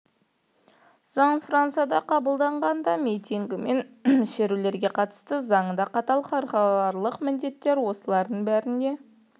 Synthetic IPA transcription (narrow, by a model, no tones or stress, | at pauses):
z̥ɑɴfrant̪sɨjɑd̪ɑqʰɑbəlˠd̪ɑɴʁɑnd̪ɑmʲijt̪iŋɡʲɪme̞nmɪʃe̞ɾule̞ɾɡʲe̞qʰɑt̪ə̥st̪əzɑɴəd̪ɑqɑt̪ɑlˠχɑɾχɑlˠɑɾlˠəqmɪnd̪e̞t̪ːe̞ɾwo̞səlˠɑɾd̪əɴbæɾɪnd̪e̞